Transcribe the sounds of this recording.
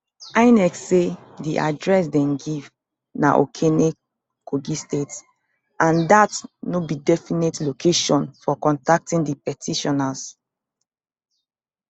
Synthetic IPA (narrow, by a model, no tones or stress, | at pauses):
aɪnɛksediʔa̰dɹɛsdɛ̃mɡiv | na̰ʔo̰kʰene | koɡistets | ãndatnobidɛfinetlokʰeʃɔ̃nfɔkɔ̃ntak̚tĩndipɛtʰiʃɔnas